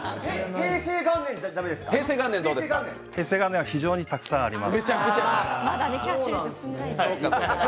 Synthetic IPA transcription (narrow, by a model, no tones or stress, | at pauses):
heheːse̞ːɡãnːẽ̞ndd̪amed̪esɨ̥kaeːseːɡãnːend̪oːd̪eeɡãnːẽhe̞ːseːɡanːẽaçiʑo̞ːɲ̟it̪akɯ̟̥sãɰ̃aɾʲimasmeakɯt͡ɕamad̪anekʲaonãnaoa